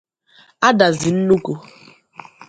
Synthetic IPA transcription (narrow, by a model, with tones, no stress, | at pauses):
a˦da˨zɪ˨n̩˦nu˦ku˦